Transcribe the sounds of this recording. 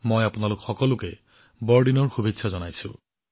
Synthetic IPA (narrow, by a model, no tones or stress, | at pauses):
mɔjapʊnalʊkxɔkɔlʊkɛ | bɔɹɖinɔɹxubʱitːsʰazɔnajsʊ̰̃